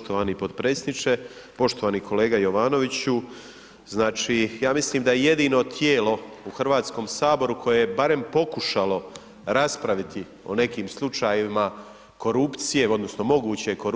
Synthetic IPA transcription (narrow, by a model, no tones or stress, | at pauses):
t̪oʋaːnipod̪pɾeːsʲed̪nit͡ʃe̞ | po̞ʃt̪oʋaːnikʰo̞le̞ːɡajo̞ʋaːno̞ʋit͡ɕu | znaːt͡ʃiːjaːmisliːmd̪ajeje̞d̪iːno̞t̪ʰjeːlo̞ | uxrʋaːt̪sko̞msaːbo̞ɾukʰo̞jejebaɾe̞mpo̞kuʃalo̞ | ɾaspɾaʋit̪i | o̞̰ne̞kiːmslˠut͡ʃaːjiima | ko̞ɾupt̪sije̞o̞d̪no̞sno̞mo̞ɡuːt͡ɕe̞koɾ